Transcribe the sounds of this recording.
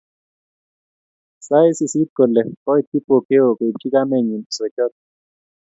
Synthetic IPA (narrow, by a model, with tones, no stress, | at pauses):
sa˦i˦si˨si˦t̚ko˨lɛ˨kɔ˦i˦˨ki˦po˨ke˦o˨ko˨i˨ki˦ka˦me˨ɲi˨n˨so˨t͡ʃɔ˦t̪̚